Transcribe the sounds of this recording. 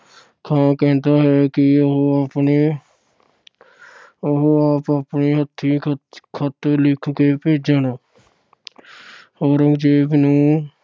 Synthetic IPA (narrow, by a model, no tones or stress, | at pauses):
kʰãːkɛ̃ːnt̪aːɦɛːkɪɦapne | ɦaːpapniːɦət̪ʰːiːkʰət̪lɪkʰkeːpeːd͡ʒaːnaː | oːɾəŋɡd͡ʒeːbnũː